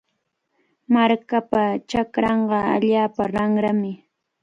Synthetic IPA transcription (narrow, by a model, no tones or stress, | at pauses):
maɾkapat͡ʃakɾɑɴɢɑa̰ʎaːpaɾaŋɾamɪ